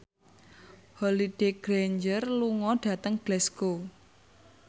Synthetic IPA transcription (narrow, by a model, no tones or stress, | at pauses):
holiɖ̥eɡ̥ɾeɲd͡ʒərluŋɔɖ̥ä̤t̪əŋb̥lɛsko